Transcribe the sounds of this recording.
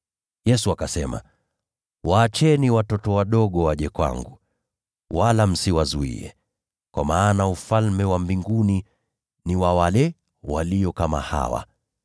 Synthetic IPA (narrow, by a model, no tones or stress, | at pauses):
jɛsuakasɛma̰ | waːt͡ʃɛniwatɔtɔwaɗɔɠɔwaʄɛkwa̰ŋɡu | walam̩siwazuḭɛ̰ | kwamaːnaufalmɛwambiŋɡuni | niwawalɛ | waliɔkama̰ha̰wa̰